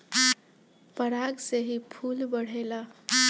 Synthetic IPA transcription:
pəɽaɡseɦipʰulbʌɽ̤ela

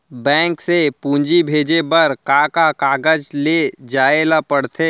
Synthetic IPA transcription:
bɛ̃ːŋksepũːɲd͡ʒibʱeːd͡ʒebəɾkakakaːɡəd͡ʒled͡ʒaːelapəɽt̪ʰe

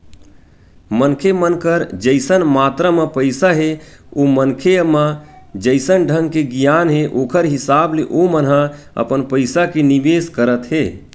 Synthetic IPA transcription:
mənkʰemənkəɾd͡ʒəɪsənmaːt̪ɾamepəɪsaɦe | omənkʰeməd͡ʒəɪsənɖʱəŋɡ̚keɡijanɦeʔoːkʰəɾɦisaːbleʔomənɦã | ə̰pənpəɪsakenibeskəɾət̪ɦe

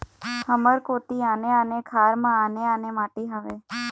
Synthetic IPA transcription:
həməɾkot̪ianeanekʰaːɾmãaneanemaʈeɦaʋe

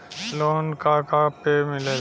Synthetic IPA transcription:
loːnkakapeːmɪleː

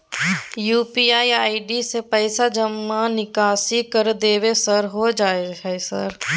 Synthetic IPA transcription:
juːpiaːiaːiɖisepɛɪsad͡ʒəmːanɪkaːsikɐɾd̪eːʋesəɾɦod͡ʒaːeɛsə̰ɾ

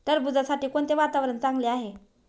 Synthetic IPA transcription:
t̪əɾbud͡zasaʈiːkoɳt̪eʋat̪aʋɾənt͡sãŋɡleaɦe

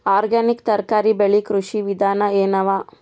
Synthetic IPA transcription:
aːɾɡaːnikt̪ɐɾkaːɾibeɭikɾuʂiʋid̪ʱaːnɐeːnɐʋaː

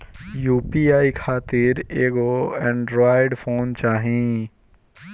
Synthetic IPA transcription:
juːpiːaːikʰaːt̪ɪɾeːɡoːɛ̃ɳɖɾaːɪɖfʰoːnt͡ʃaːɦĩ

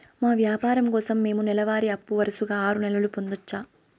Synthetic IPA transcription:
maːʋjaːpaːɾɐmkɔːsɐmːe̞ːmunɛlɐʋaːɾiɐpːuʋɐɾɐsuɡaːaːɾunɛlɐlupo̞nd̪ɐt͡ʃːaː

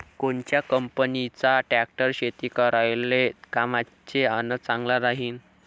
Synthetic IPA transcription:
koɳt͡ɕjakəmpənit͡saʈæk̚ʈəɾɕet̪iːkəɾajlekama | t͡ɕeanət͡sãŋɡlaɾaɦiːn

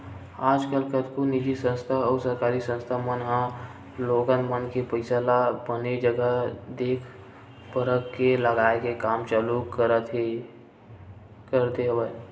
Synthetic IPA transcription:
aːd͡ʒkəlkət̪konid͡ʒisə̃nst̪ʰaɔːsəɾkaːɾisə̃nst̪ʰamənɦã | loːɡənmənkepəɪsalabəned͡ʒəɡəd̪eːkʰ | pəɾəkːeləɡaːekekaːmt͡ʃalukt̪ | kəɾt̪eɦəʋə

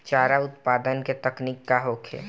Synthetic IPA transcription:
t͡ʃaːɾaʊt̪̚paːd̪ənket̪əkniːkːaɦoːkʰḛ

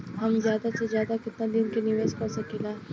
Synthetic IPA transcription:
ɦɐmzjaːd̪asezjaːd̪akɪt̪nad̪inkeniʋeskãːsakɪlaː

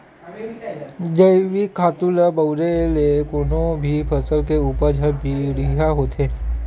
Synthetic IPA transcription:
d͡ʒəɪʋikʰaːt̪ulabəʊɾelekoːnõbʱipʰɐsəlkeuːpəɾd͡ʒʱɐbiɽijaɦoːt̪ɦeː

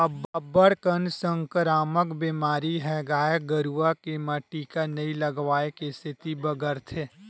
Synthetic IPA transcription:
ɐbːɐbəɽkənsə̃ŋkəɾaːməkbiːmaːɾiɦɛɡaːjəɡəɾuʋakemɐʈːikanɐĩlɐɡʋaːekest̪ʰɪt̪ibəɡəɾt̪ʰeː

